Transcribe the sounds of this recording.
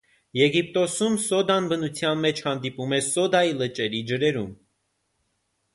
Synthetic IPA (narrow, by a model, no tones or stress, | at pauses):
jɛɡip̚t̪ɔsumsɔd̪ɑnbənut͡sʰjɑnmɛt͡ʃʰhɑnd̪ipumɛsɔd̪ɑjilət͡ʃʼɛɾid͡ʒəɾɛɾum